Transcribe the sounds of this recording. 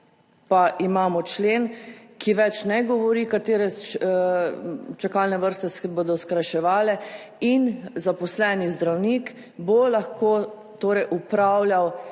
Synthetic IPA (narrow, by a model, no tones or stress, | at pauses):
paʔimaːmɔt͡ʃleːnkʰiʋɛt͡ʃnɛɡɔʋɔɾiːkat̪eːɾɛ | t͡ʃakalnɛʋəɾst̪ɛsɛboːd̪ɔskɾaʃɛʋaːlɛ | inzapɔslɛːnizd̪ɾawnik | bolaxkoː | t̪oːɾɛjʔupɾawljaw